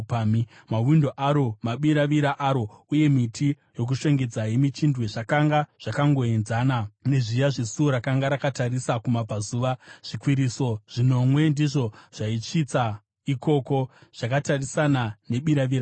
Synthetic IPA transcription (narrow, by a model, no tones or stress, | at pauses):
pamimawindo̞ʔaɾo̞maɓiɾaʋiɾaʔaɾo̞uje̞mitʰi | jo̞k̬uʃe̞ŋɡe̞d͡zaimit͡ʃindwe̞ʐakaŋɡaʐ̥akaŋɡo̞enzaːnane̞ʐijaʐisuoɾakaŋɡaɾakatarisakumapazuːʋaʐ̥ikwiɾiso̞ʐ̥ino̞mwe̞ndiʐo̞ʐ̥ait͡ʂit͡sa | iko̞ko̞ʐ̥akatarisanane̞ɓiɾaʋiɾa